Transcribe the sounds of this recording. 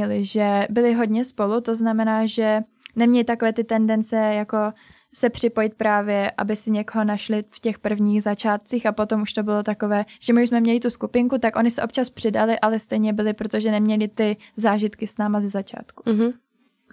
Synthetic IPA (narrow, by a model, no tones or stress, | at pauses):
ɛlɪʒɛbɪlɪɦo̞dɲɛspo̞lut̪o̞znamɛnaːʒɛ | nɛmɲɛlɪt̪akovɛːt̪ɪt̪ɛndɛnt͡sɛjako̞ | sɛpr̝̥ɪpo̞jɪt̪̚pɾaːvjɛʔa̰bɪsɪɲɛkoɦo̞naʃlɪfcɛxpr̩vɲiːɣzat͡ʃaːt̪̚t͡siːxapo̞t̪o̞muʃt̪o̞bɪlo̞t̪ako̞vɛːʒ̥ɛmɪuʃsmɛmɲɛlɪt̪uskupɪŋkut̪akʔo̞ɲɪsɛʔo̞p̚t͡ʃaspr̝̥ɪdalɪʔalɛst̪ɛjɲɛbɪlɪpɾo̞t̪o̞ʒɛnɛmɲɛlɪt̪ɪzaːʒɪt̪kɪsnaːmazɛzat͡ʃa̰ːt̪ku̥